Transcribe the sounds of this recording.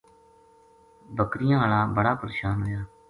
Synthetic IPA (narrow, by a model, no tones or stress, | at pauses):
bəkɾɪjãːlaːbəɽaːpəɾeːʃaːnɦojaː